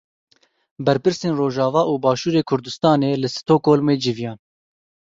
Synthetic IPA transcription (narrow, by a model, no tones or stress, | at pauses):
bɛɾpɨɾseːnroːʒɑːvɑːʔuːbɑːʃuːɾeːkʰʊɾd̪ʊst̪ɑːneːlɨsɨ̥t̪ʰoːkoːlmeːd͡ʒɪvijɑːn